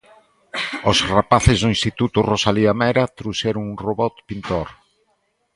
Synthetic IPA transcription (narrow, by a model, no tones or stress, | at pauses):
osrapaθɪzðʊĩnst̪it̪ut̪ʊrosaliamɛɾat̪ɾuʃɛɾʊŋuŋroβɔt̪pint̪oɾ